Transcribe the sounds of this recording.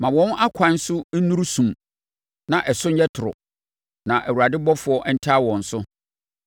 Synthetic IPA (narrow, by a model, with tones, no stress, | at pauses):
mã˨wɔ̃˦na˦kʷʰã˨˦n˦sʊ˦n̩˦nũ˦ɾu˦sũ˨m | nã˨ʔɛ˨sʊ˦ɲ̩˦jɛ˦tʰʊ˨ɾʊ̰˨ | nã˨ʔæ˨wu˨a˨dɪ˦bɔ˦fʊ˨˦ɔ˦ʔɛ˦n̩˦tʰaː˦wɔ̃˨n̩˨sʊ˦